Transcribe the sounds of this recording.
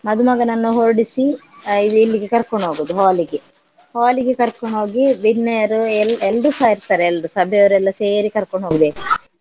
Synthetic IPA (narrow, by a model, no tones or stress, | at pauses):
mɐd̪umɐɡɐnɐnːuɦoɾɐɽisiid̪uilːiɡekɐɾkoɳɦoːɡuːd̪uɦaːliɡe | haːliɡekɐɾkoɳo̞ːɡibinːɛjɐɾuelelrusaːjiɾt̪aːɾeːlɾusɐbʱɛɐʋɐɾɛlːɐseːɾikɐɾkoɳɦoːɡud̪e